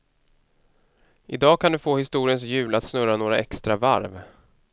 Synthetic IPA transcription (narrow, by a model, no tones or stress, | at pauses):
ʔɪd̪ɑːkʰand̪ɵfoːhɪst̪uːɾɪəns̬jʉ̟ːlat̪snɵɾanoːɾa̰ɛkst̪ɾava̰ɾv